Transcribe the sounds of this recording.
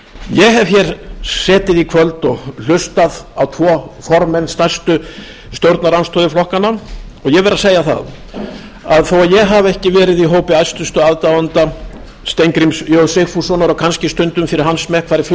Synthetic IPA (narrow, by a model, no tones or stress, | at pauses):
jɛɣɦɛv̥çɛɾsɛːt̪ɪðikʰvœlt̪ɔɣl̥ʏst̪aðawt̪ʰvɔːfɔɾmɛnst̪ajst̪ʏ | st̪jowɾt̪naɾanst̪ʰɔːðɪflɔhkanːaɔɣjɛvɛɾaseːjaθa̰ð | aðθowaðjɛɣɦavɛhcɪvɛːɾɪðiɦoːwpɪajst̪ʏst̪ʏaðt̪avant̪a | st̪ejŋkɾimsjowsexfusɔnaɾɔkʰanscɪst̪ʏnt̪ʏmfɪɾɪɾɦansmɛkʰvaːɾɪf